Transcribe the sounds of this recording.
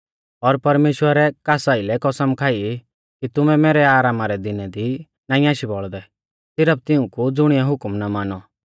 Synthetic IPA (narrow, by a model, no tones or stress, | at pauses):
ɔɾpɐɾmeːʃwəɾɛkaːsaːɪlɛkɔsəmkʰaːi | kit̪ʊmɛ̃mɛːɾɛaːɾaːmaɾɛd̪ɪnɛd̪i | naːĩaːʃibɔɭd̪ɛ | sɪɾəp̚t̪ɪʊ̃kud͡zʊɽ̃ɪjaɦʊkmnamaːnɔ